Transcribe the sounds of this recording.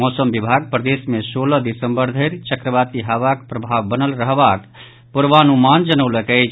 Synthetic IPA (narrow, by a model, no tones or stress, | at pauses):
mɔsəmbibʱaɡ̚pɾəd̪esmesoləd̪isəmbəɾd̪ʱəɾt͡ʃəkɾəbat̪iɦaʋakpɾəbʱaʋːənəlɾəɦbat̪ | puɾʋanumand͡ʒənəwləkəjt͡ʃʰ